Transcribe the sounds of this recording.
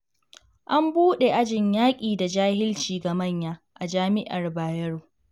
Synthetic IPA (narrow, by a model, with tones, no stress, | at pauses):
ʔa˦mbuː˦ɗe˨ʔa˦d͡ʒɪ˨ɲjaː˦kʲʼiː˨da˨d͡ʒaː˦hɪ˦lt͡ʃiː˨ɡa˨mɐ˦˨ɲjaː˦ | ʔa˨d͡ʒaː˦mɪ˦ʔa˨rbaː˨jɐ˦ɽoː˨